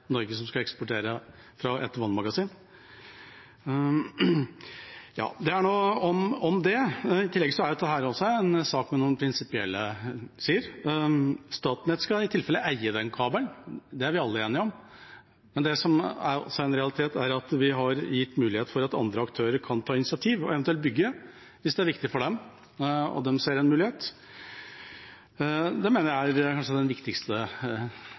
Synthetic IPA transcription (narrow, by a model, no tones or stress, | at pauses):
nɔɾɡəsɔmskɑɛkspʊʈʰeːɾə | fɾɑʔɛ̰t̪ːəʋɑnːmɑɡɑsiːn | jɑ̰ːd̪ɛæɳoːɔmɔmd̪ɛɪt̪ʰɪlːɛɡəsɔæɾjʊd̪ɛɦæːɾɔsːɔɛnsɑːkmɛnuːnpʰɾɪnsɪpɪɛlːəsiːəɾ | st̪ɑːt̪nət̪skɑɪt̪ʰɪlfɛlːəʔæɪəd̪ɛnkʰɑːbəlnd̪ɛæɾʋɪɑlːəeːnɪɔm | mɛnd̪ɛsɔmæɾɔ̰sːɔɛnɾɛɑlɪt̪ʰeːt̪æɾɑt̪ʋɪɦɑɾjɪt̪ːmʉːlɪheːt̪fɔɾɑt̪ɑ̰nd̪ɾəɑkt̪ʰøːɾəɾkʰɑnt̪ʰɑːɪnɪsɪɑt̪ʰiːʋɔɛʋnɛlt̪̚bʏɡːə | ʋɪsd̪ɛæɾʋɪkt̪ɪfɔɖɛm | ɔ̰d̪ɛmseːɾɛnmʉːlɪheːt̪ | d̪ɛmeːnəɾææɾkʰɑnʂəd̪ɛnʋɪkt̪ɪkst̪ə